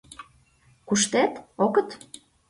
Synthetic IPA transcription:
kuʃt̪et̪okə̆t̪

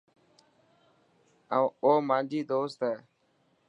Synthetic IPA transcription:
ə̃oːmãːnd͡ʒiːd̪oːst̪ɛː

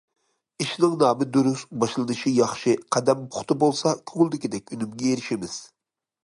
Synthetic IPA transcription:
iʃnɨŋnɑːmɨd̪uɾusbɑʃlˠɨnɨʃijɑχʃɨqʰɛd̪ɛmpʰʊ̥χt̪ʰɨbolˠsɑkʲʰøŋlˠd̪ɪkʲid̪ɛk̚ʲynymɡʲɛeɾɪʃimɪz̥

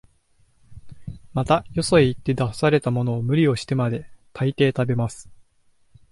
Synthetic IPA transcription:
mat̪ajo̞so̞eit̪ːe̞d̪ḁsaɾe̞t̪amo̞no̞ːmɯ̟ɾʲio̞ɕi̥t̪e̞mad̪e̞t̪ʰait̪e̞ːt̪abe̞masɨ̥

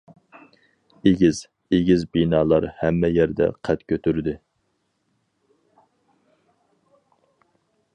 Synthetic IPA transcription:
eɡʲiz̥ | eɡʲizbinɑːlˠɑɾhɛmːɛjɛɾd̪ɛ̰qʰæt̪kʲʰøt̪yɾd̪ɪ

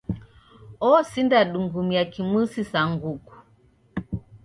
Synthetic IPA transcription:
ɔsindaɗuŋɡumiakimwusisaŋɡuku̥

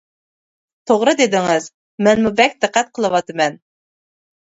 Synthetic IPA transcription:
t̪ʰoʁɾɨd̪ed̪ɪŋɪz | mɛnmubɛk̚ʲd̪̥ɨqːæt̪̚qʰəlˠɨwɑt̪ʰɨmɛn

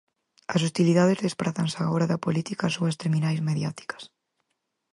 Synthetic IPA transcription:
ɐsust̪iliðaðezðespɾaθansaɣoɾaðɐpolit̪ikasoɐst̪eɾminajzmeðjat̪i̥kɐ̥s

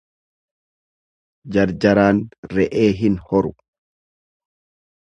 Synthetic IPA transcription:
d͡ʒɐɾd͡ʒɐɾaːnɾɛʔeːɦɪnhɔɾʊ

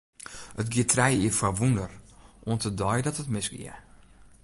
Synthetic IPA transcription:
ətɡɪətrɛjiəfaʋundərʔoəntədɔjdɔtətmɪsɡɪ̰ə

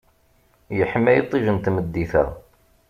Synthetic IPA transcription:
jəħəmːæjit̪ˤːiʒənt̪məd̪ːiθæ̰

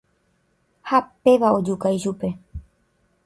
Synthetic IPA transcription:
hape̞ʋao̞d͡ʒukajʃupe̞

